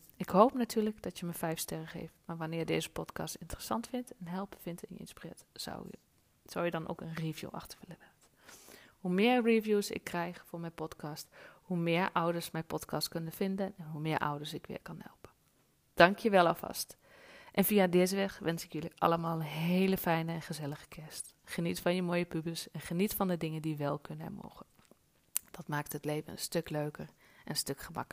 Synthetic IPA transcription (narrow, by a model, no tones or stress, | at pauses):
ɪkhowpnatʰyːɹləɡd̥ɔtjəməfɛjfstɛrəxḛːftmaɹʋanɪːɹdeːzəpɔtkɑ̰ːstɪntərəsɑ̰ntfɪntɛnɦɛlˠpəfɪntɪ̰njə̰ɪ̰nspirɪːtw | sowjədɔnʔo̰ːkənrivjṵʔɑ̰xtə̥vələɛt | humɪːəɹrivjusɪ̰kʰːrɛjxfʊːɹmɛjpɔtkɑsthumɪəɹʔɔwdəɹsmɛjpɔtkʰɑstkønəfɪndənɛnɦumɪːɹʔɔ̰wdəɹsɪkʋɪ̰ːɹkɑnhɛ̰lˠpə | d̥ɑŋkʰjəʋɛlˠɑfɑ̰st | ʔɛnviadɪzəʋɛxʋɛnsɪkjøliʔɑ̰ləmaːlˠənɦeːləfɛjnəɛnχəzɛləɣə̥kʰɛst | χənitfɑnjəmoːjəpybəlˠsɛnχənitfɑndədɪŋəndiʋɛlˠkʰønɛ̰mo̰ːχən | d̥ɑtmaːk̚thətleːvənə̰nstøkløɥkər | ʔɛnnstøkχəmɑ̰kəl